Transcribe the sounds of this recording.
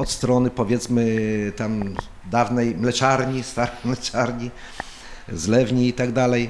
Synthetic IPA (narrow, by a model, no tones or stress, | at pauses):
ɔt̪st̪ɾɔnɘpɔvʲjɛt̪smɘt̪am | d̪avnɛjmlɛt͡ʂaɾɲist̪aɾɛjmlɛt͡ʂaɾɲi | zlɛvɲiːt̪aɡd̪alɛj